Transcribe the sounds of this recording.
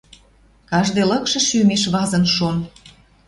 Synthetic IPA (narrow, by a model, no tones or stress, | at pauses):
kɑʒd̪ɤlə̆kʃɤ̆ʃymeʃβɑzə̆nʃon